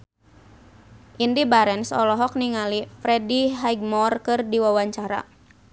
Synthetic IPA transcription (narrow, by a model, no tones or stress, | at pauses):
ʔindibaɾɛnsɔlɔɦɔk̚niŋalifɾɛdiɦaiɡ̚mɔrkɨrdiwawaɲt͡ʃaɾa̰